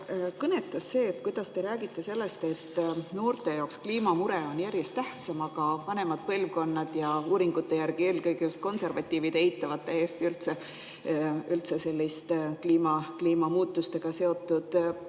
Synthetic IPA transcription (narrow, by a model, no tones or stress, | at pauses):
kɤne̞t̪ːˑɑsːe̞ːt̪kujd̪̥ɑst̪e̞ɾæːɡ̥it̪ˑːe̞se̞lːe̞st̪e̞t̪ːno̞ːrt̪ˑe̞jɑokskliːmɑmuɾeo̞njæɾje̞st̪æht̪sɑmɑɡ̥ɑvɑne̞mɑd̪̥̚pɤlvko̞nːɑd̪̥jɑuːɾiŋɡ̥ut̪ːe̞jærɡ̥ie̞ːlkɤjɡ̥ejust̪̚ko̞nse̞rvɑt̪ʲːiːvid̪eeit̪ːˑɑvɑt̪ːeeːst̪iylt̪se | ylt̪se̞se̞lʲːist̪kliːmɑkliːmɑmuːt̪ːˑust̪e̞ɡ̥ɑse̞o̞t̪ːˑud̪̥